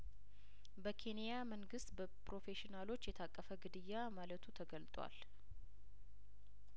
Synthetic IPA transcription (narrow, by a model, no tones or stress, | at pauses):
bəkʰe̞nijaməŋɡɨst̪bəpɾo̞fe̞ʃɪnalo̞t͡ʃːjɛt̪ʰakʼːəfəɡɨd̪ɨjːamalət̪ʰut̪ʰəɡəlt̪ʼwa̰l